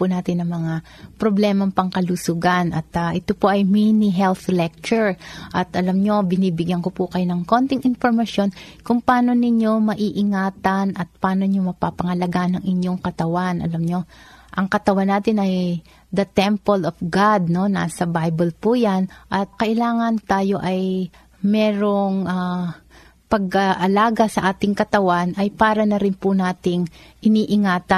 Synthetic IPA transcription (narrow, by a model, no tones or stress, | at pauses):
pʊnaːt̪ɪnɐŋmɐŋa | pɾoblɛmɐŋpɐŋkɐlusʊɡanɐt̪ʔaʔɛt̪opoʔɐjminiɦɛlθlɛk̚t͡ʃʊɹʔɐt̪ʔɐlamɲo̞bɪniːbɪɡjɐnkopukɐjonɐŋko̞nt̪ɪŋʔɪnfoɹmɐsjo̞nkʊŋpɐʔaːno̞nɪɲjo̞mɐʔiːʔɪŋaːt̪ɐnʔɐt̪̚pɐʔaːnoɲomɐpapɐŋɐlɐɡaʔnɐŋɪɲjo̞ŋkɐt̪ɐwanʔɐ̰lamɲo̞ʔɐŋkɐt̪ɐwanːaːt̪ɪnɐj | d̪ɐt̪ɛmpɐlofɡad̪̚no̞na̰sɐbajbɛlpujanʔɐt̪̚kɐʔɪlaːŋɐnt̪aːjo̞ʔɐj | mɛːɾo̞ŋʔa | pɐɡʔaʔɐlaːɡɐsɐʔaːt̪ɪŋkɐt̪ɐwanʔɐjpaːɾɐnɐɾɪnpʊnaːt̪ɪŋʔɪniːʔɪŋaːt̪ɐ